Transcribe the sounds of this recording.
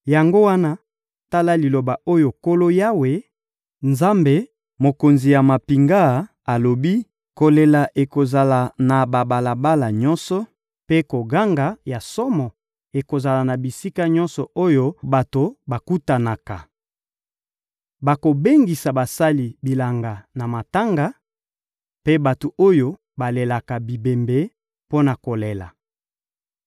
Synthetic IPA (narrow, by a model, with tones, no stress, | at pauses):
ja˨ŋɡo˦wa˦na˦ | ta˦la˦li˨lo˨ba˨o˦jo˨ko˦lo˦ja˦we˨ | nza˦mbe˨ | mo˨ko˨nzi˨ja˨ma˨pi˨ŋɡa˦˨ | a˨lo˨bi˦ | ko˨le˨la˨ʔe˨ko˨za˨la˨na˨ba˨ba˨la˨ba˦la˨ɲɔ˦nsɔ˦ | pe˦ko˨ɡa˦ŋɡa˨ja˨sɔ˦mɔ˨ | e˨ko˨za˨la˨na˨bi˨si˦ka˦ɲɔ̃˦nsɔ˨o˦jo˦ba˨to˨ba˨ku˦ta˨na˨ka˨ | ba˨ko˨be˦ŋɡi˨sa˨ba˨sa˦li˨bi˨la˨ŋɡa˨na˨ma˨ta˦ŋɡa˨ | pe˦ba˨to˨o˦jo˦ | ba˨le˨la˨ka˨bi˨be˨mbe˨˦ | po˦na˨ko˨le˨la̰˨